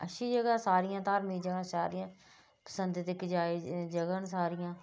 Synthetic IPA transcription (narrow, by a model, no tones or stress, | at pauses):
əʃiːd͡ʒəɡaːsaːɾɪjãːt̪aːɾmiːd͡ʒəɡãːsaːɾijãː | pə̥sənd̪t̪ɪkd͡ʒaːeːd͡ʒəɡãːnsaːɾɪjãː